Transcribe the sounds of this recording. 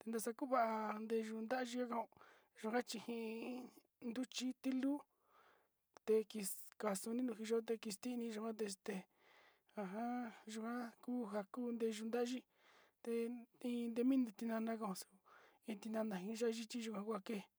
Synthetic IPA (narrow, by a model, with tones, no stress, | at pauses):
t̪e˧nd̪a˧sa˧ku˦βa˦ʔa˧nd̪e˧ʒu˧nd̪a˦˧ʒi˧ka˦ka˧ũ˧ | ʒu˧kã˦t͡ʃi˧hĩ˧ | nd̪u˦t͡ʃi˦t̪i˦lu˦ | t̪e˧ki˧ka˨su˧nĩ˦nũ˧i˧ʒo˦t̪̬e˧ki˧st̪i˦˧nĩ˧ʒu˧kʷã˦t̪̬e˧st̪e˧ | a˧ɦã˦ʒu˧kã˦kuː˦ɦa˧ku˦nd̪e˧ʒu˧nd̪a˦ʒi˦ | t̪e˧ĩ˧nd̪e˧mĩ˦nũ˧t̪i˧nã˧nã˧k̬a˧ũ˧su̥˧ | ĩ˧t̪i˧nã˧nã˨ɦĩ˧ʒa˦˧ʒi˦t͡ʃi˦ʒu˧kʷã˧kʷa˧ke˦˨